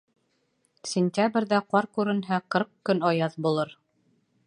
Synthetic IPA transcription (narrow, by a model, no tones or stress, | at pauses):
sʲɪnʲtʲabrʲðæqɑɾkʉɾɘ̆nɦæqɤɾq̚kɵnɑjɑðbulˠɤɾ